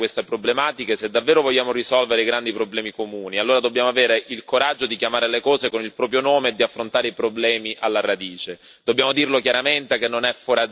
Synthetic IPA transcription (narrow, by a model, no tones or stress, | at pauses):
west̪epɾoblemaːt̪ikesed̪ːavːɛːɾovoʎːaːmoɾisɔlveɾeiɡɾand̪ipɾoblɛːmikomuːnialːoːɾad̪obːjaːmoaveːɾeʔilkoɾad͡ʒːod̪ikjamaːɾelekɔːzekonilpɾɔːp̬ɾjonoːmeːd̪ːiafːɾont̪aːɾeipɾoblɛːmiʔalːaɾad̪iːt͡ʃe | d̪̥obːjaːmod̪irlokjaɾament̪ekenːonɛfoɾa